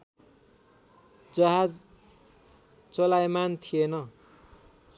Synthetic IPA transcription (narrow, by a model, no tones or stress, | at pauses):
d͡zʌɦad͡z | t͡solajmant̪ʰijenʌ